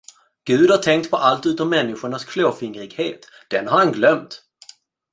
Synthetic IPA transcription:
ɡ̥ʉ̟ːd̪haʈʰɛŋk̚t̪pʰɔʔalt̪ʉ̟ːt̪ɔmːɛnːɪɧʊɳaskʰloːfɪŋɾɪɡheːt̪ | d̪̥ɛnhaɾhanɡlœmt̪

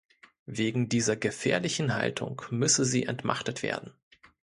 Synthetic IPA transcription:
veːɡŋ̩diːzɐɡəfɛːɐlɪçn̩ɦa̰ltʰʊ̰ŋkmʏsəziːʔɛntma̰χtətv̥ḛːɐdn̩

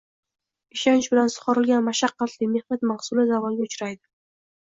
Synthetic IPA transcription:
ɪʃant͡ʃbɪlansʊ̥qɒɾɪlɡʲanmaʃɑqːɑt̪lɪjme̞hnat̪mahsʊlɪzavɒnɡʲaʊt͡ʃɾajd̪ɪ

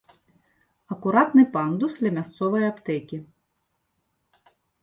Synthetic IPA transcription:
ɐkʊɾɑt̪nɪpɑnd̪ʊslʲɐmʲɐst̪sɔʋɔjɛɔpt̪ɛkʲi

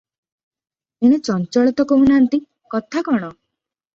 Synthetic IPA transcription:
eɽ̃et͡ʃɔnt͡ʃɔɭit̪ɔkoɦunant̪i | kɔt̪ʰakɔɽ̃ɔ

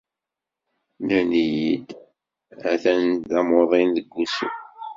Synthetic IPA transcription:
nənijid̪ | æθænæmoðˤinðəɡʷːusə̰

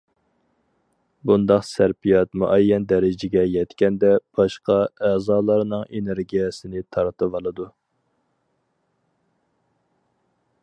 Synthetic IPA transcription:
bund̪ɑqsæɾpijɑt̪muʔɛjːɛnd̪ɛɾɪd͡ʒɪɡʲɛjɛt̪kʲɛnd̪ɛb̥ɑʃqɑɛzɑːlˠɑɾnɨŋeneɾɡʲijɛsɪnɪt̪ʰɑɾt̪ɨvɑlˠɨd̪u

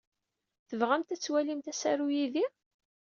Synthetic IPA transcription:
θəvʁæmt̪æt͡sːwælimt̪æsæɾujiði

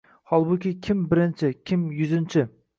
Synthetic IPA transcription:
hɒlˠbʊkʲɪkʲʰɪmbɪɾɪnt͡ʃʰɪkʲʰɪmjʊzɪnt͡ʃʰɪ

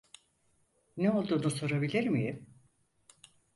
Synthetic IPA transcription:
neo̞lˠd̪uːnuso̞ɾabilʲiɾmijim

